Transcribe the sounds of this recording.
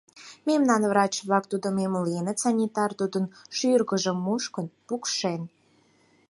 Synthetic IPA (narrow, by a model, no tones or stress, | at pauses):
memnɑnvrɑt͡ɕβlɑk̚t̪ud̪omemolenət͡sɑnʲit̪ɑrt̪ud̪ənʃyrɣəʒə̆mːuʃkənpukʃen